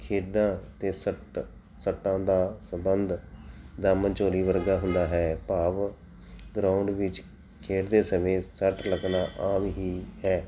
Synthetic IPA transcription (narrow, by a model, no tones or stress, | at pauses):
kʰeːɖãːt̪eːsəʈ | səʈːãːd̪aːsəmbənd̪d̪aːmənt͡ʃoːɾiːʋəɾɡaːɦʊnd̪aːɦɛːpaːʋ | ɡɾaːʊɳɖʋɪt͡ʃ | kʰeːʈd̪eːsəmẽːsəʈʰləknaːʔaːmɦiːɦɛː